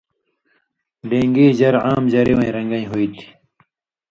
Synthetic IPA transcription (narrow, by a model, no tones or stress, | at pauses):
ɖẽːŋɡiːʑɐɾaːmd͡ʑɐɾiwɐ̃ĩɾɐŋɡɐĩɦoit̪ʰi̥